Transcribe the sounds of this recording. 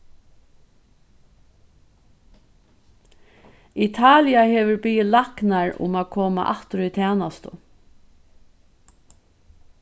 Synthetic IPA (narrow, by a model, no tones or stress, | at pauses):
it̪ʰɑːlɪaheːʋʏɾbʏjɪlaknaɹʊ̰maːkʰoːma̰ʔaht̪ɾʏt̪ʰæːnast̪ʊ